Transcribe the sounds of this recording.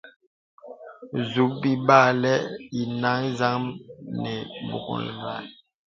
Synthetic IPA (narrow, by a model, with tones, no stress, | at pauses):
zu˨˦k̚bi˦ba˦˨lɛ˦i˨na˦ŋ˦za˦ŋmnɛ˨bṵ˨kɔ̰˨lɡa̰˨